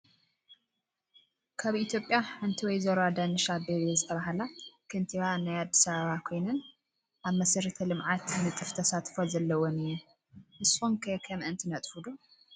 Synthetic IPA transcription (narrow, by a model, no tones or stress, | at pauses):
kʰaβit̪ʰjo̞pʼjaɨnt̪ʰiwɔjzɐɾad̪anɨʃabeβezɨt̪ʰɐβaɦalakʰɨnt̪ʰianajad̪ːisaβaβakʰo̞jnɨn | ʔaβmɐsɐɾɐt̪ʰɐlɨmʕat̪nɨt̪ʼɨft̪ʰɐsat̪ʼfozɐlːɐwonɨjːu | ʔɨsomkʰɐkʰɐmʔɨnt̪ʰinɐt̪ʼfud̪o